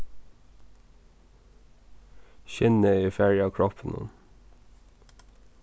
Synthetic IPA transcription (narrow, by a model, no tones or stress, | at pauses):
çɪnəiːfæɹɪɑːkʰɹɔpʰn̩ə̰n